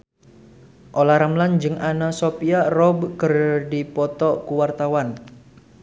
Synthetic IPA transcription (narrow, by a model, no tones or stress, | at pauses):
ʔolaɾamland͡ʒɨŋʔanasopiarɔbkərdipɔt̪ɔkuwart̪awan